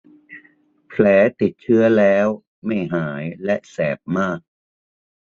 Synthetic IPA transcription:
pʰlɛː˩˦t̪i˨˩t̪̚t͡ɕʰɯ˦˥ɐlɛː˦˥w | ma˥˩jɦaː˩˦jlɛ˦˥ʔsɛː˨˩p̚maː˥˩k̚

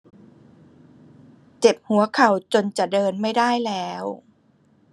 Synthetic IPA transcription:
t͡ɕe˨˩p̚hu˨˩˦ɐkʰa˨˩wt͡ɕo˧nt͡ɕa˨˩ʔdɤː˧nma˥˩jda˥˩jlɛː˦˥w

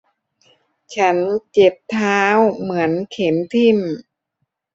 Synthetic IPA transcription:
t͡ɕʰa˦˥nt͡ɕe˨˩p̚t̪ʰaː˦˥wmɯ˩˦ənkʰe˩˦nt̪ʰi˧˩m

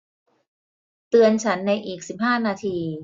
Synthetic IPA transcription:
t̪ɯ˧ənt͡ɕʰa˦˥nːa˧jʔiː˨˩k̚si˨˩p̚ɦaː˥˩naː˧t̪ʰiː˧

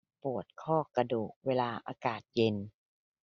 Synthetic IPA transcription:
pu˨˩ət̪̚kʰɔː˥˩ka˧doː˨˩k̚weː˧laː˧ʔa̰ː˧kaː˨˩t̪̚je˧n

